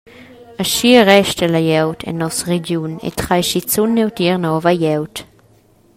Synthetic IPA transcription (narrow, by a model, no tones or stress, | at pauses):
aʃiəʁɛʃtəlajɛwtʰɛ̰nːɔsʁed͡ʒjunḛtχajʃit͡sunːɛwtiʁnɔvajɛwt